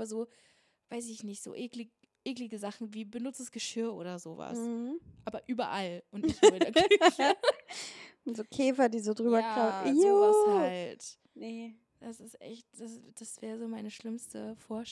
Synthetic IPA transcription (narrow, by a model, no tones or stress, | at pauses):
bɐzoː | v̥aɪs̬ɪçnɪçtz̥o̰ːʔeːklɪ | ʔeːklɪɡəzaχn̩viːbənʊt͡səsɡ̥əʃɪɐʔo̰ːɾɐzoːva̰sʔaːbɐʔyːbɐ̰ʔalʔʊntɪçaɡ | nzoːkʰɛːfɐdiːzoːdʁyːbɐkʁaʊ | halt | n | d̥asɪstʔɛ̰çt̚d̥asd̥asv̥ɛːʁəzoːmaɪnəʃlɪmstəfoːɐʃ